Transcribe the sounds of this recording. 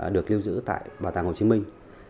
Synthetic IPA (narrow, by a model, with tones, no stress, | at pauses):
ɗɨ˨˩ək̚li˧wzɨ̰˧˥t̪a̰ː˧˨jɓaː˨˩t̪aː˨˧˩ŋho˨˩t͡ɕi˧˦mï˧ŋ̟